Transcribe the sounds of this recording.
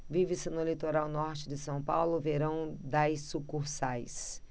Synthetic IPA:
vivɪsɪnʊlit̪oɾawnɔɾt͡ʃɪd̪ɪsɐ̃w̃pawlʊveɾɐ̃w̃d̪ajsukuɾsajs

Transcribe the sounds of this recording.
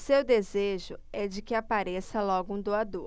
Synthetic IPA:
sewd̪ezeʒʊɛd͡ʒɪkɪapaɾesɐlɔɡʊũd̪oad̪o

